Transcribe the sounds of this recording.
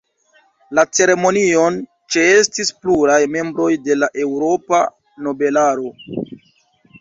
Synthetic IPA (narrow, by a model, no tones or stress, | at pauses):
lat͡se̞ɾe̞mo̞nio̞n | t͡ʃe̞e̞stispluɾajme̞mbɾo̞jde̞laʔe̞wɾo̞pa | no̞be̞laɾo̞